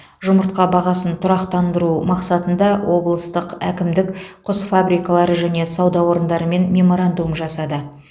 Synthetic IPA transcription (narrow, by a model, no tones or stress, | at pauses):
ʒʊməɾt̪̚qɑbɑʁɑsənt̪ʰʊɾɑqt̪ɑnd̪əɾumɑqsɑt̪ənd̪ɑwʔo̞blˠəst̪əqækʲɪmd̪ɪkqʰʊsfabɾijkɑlˠɑɾəʒæne̞sɑwd̪ɑwo̞ɾənd̪ɑɾəme̞nmʲe̞mo̞ɾand̪umʒɑsɑd̪ə